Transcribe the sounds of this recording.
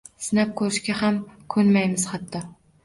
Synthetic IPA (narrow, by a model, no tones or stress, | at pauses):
sɪnap̚kʰɵɾɪʃɡʲahamkʰɵnmajmɪz̥χɑt̪ʰːɒ